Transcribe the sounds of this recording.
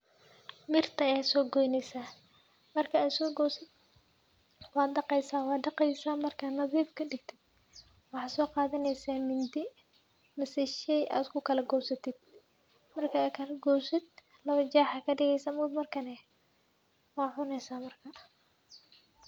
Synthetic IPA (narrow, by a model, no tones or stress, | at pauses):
mɪrt̪ʰɐjɛːsɔːɡɔjnɛjsaː | mɐrkʰɐaːd̪sɔːɡɔsɪ | wɑːd̪̚ɖɑqɛjsaːwɑːd̪ɖɑqɛjsaːmɐrkʰaːnɐðiːfkʰɐɖɪɡt̪ʰɪd̪̥̚ | wɑħɑːsɔːqɑːðɐnɛjsaːmɪnd̪ɪ | mɐsɪʃɛjʔa̰ːd̪kʰʊkʰɐlɐɡɔːwsɐt̪ʰɪd̪̥̚ | mɐrkʰɐːkʰɐlɐɡɔːsɪd̪̚ | lɐβɐt͡ʃaːħakʰɐɖɪɣɛjsɐmʊːd̪mɐrkʰɐnɛ | wɑːʕʊnɛjsaːmɐrkʰɐ